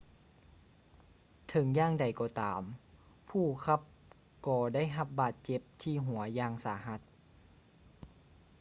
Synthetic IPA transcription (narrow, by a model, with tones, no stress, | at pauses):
t̪ʰɤ˨˦ŋjaː˧˨ŋda˨˩jkɔː˧˩t̪aː˨˩˦m | pʰuː˧˩kʰa˧˥p̚ | kɔː˧˩da˥˨jɦa˧p̚baː˧˩t̪̚t͡ɕe˧˩p̚t̪ʰiː˧˩ɦu˨˩˦ɐjaː˧ŋsaː˩˦ɦa˧˦t̪̚